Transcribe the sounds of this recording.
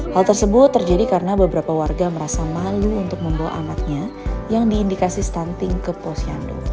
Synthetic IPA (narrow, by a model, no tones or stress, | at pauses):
halˠt̪ərsəbʊt̪ːərd͡ʒadikaɾənabəbəɾapawarɡaməɾasamaluunt̪ʊk̚məmbawa̰ʔamat̪̚ɲajaŋdiːndikasist̪ant̪ɪŋkəposiando̰